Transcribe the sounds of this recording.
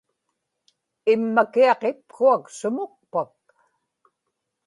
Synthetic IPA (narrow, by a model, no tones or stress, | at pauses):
ɪmːakiɑqep̚kuaksʊmʊk̚pak̚